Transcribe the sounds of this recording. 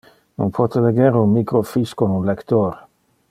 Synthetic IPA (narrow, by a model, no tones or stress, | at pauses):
no̰npʰwɔt̪eleɡeɾunmikɾofiskonunlekt̪oɾ